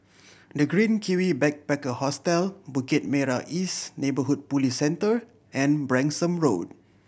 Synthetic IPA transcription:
dəɡɹĩnkʰiwibɛk̚pɛkəhɔstɛlbukit̚mɛɹaʔisnebəɦud̚pulisɛ̃ntəɹ | ʔɛ̃nbɹɛ̃nsə̃mɹod̚

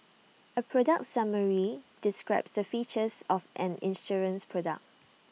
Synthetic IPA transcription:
əpʰɹɔdək̚tsaməɹid̥ɪskɹaɪpsdəfit͡ʃəsɔfʔɛ̃nɪ̰̃nsɔɹə̃nspʰɹɔda̰k̚

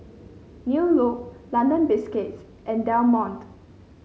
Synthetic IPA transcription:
njulok̚lãndə̃nbɪskets | ʔɛ̃ndãʊ̃nmɔ̃nt̪

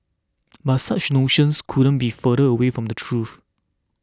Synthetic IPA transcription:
batsat͡ʃnoʃə̃nskʰudə̃nbifəɾəəwefɹɔ̃mdətʰɹuθ

